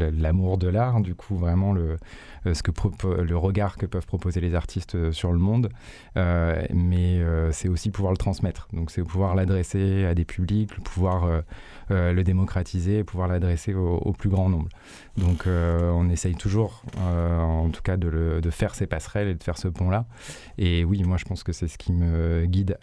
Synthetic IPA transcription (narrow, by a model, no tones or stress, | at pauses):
əlamuʁd̪əlaʁd̪ykʰuvʁɛmɑ̃lə | sə̥kəpχɔpləʁəɡaʁkəpœv̥pχɔpozelezaʁt̪ʰist̪syʁləmɔ̃d̪ | ømɛøsɛosipuvwaʁlət̪χɑ̃smɛt̪χd̪ɔ̃ksɛpuvwaʁlad̪ʁɛsead̪epʰyblikləpʰuvwaʁø | øləd̪emɔkχat̪ʰizeːpuvwaʁlad̪ʁeseoo̰plyɡʁɑ̃nɔ̃bl | d̪ɔ̃kʰøɔ̃nɛsɛjt̪ʰuʒuʁøɑ̃t̪u̥kad̪ələd̪əfɛʁsepasχɛled̪əfɛʁsəpɔ̃la | ewimwaʒəpɑ̃skəsɛsə̥kʲʰiməɡʲid̪